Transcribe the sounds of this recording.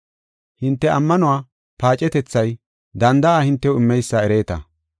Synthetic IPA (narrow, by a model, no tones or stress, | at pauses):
hɪnt̪ːɛʔɐmːɐnʊwaː | paːt͡ʃʼɛt̪ɛt͡sːɐj | d̪ɐnd̪ɐaːhɪnt̪ːɛʊɪmːɛjsːaɛɾe̞ːt̪ɐ̰